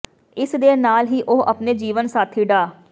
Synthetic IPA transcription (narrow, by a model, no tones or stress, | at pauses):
ɪsd̪eːnaːlɦiːʔoːʔə̰pneːd͡ʒiːʋənsaːt̪ʰiːɖaː